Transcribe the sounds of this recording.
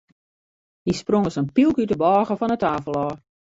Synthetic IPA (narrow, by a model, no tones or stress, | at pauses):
hisproŋəsənpilˠkytəbɔːɣəfɔnətaːfəlˠɔː